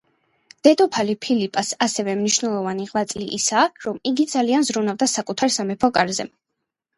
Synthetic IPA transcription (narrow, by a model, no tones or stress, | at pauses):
d̪̥ɛd̪ɔpʰalipʰilipʼasasɛvɛmniʃvnɛlˠɔvaniʁlˠat̪sʼlḭʔːsaːɾɔmiɡid̪zalianzɾunavd̪asakʼut̪ʰaɾsamɛpʰɔkʼaɾzɛ̰m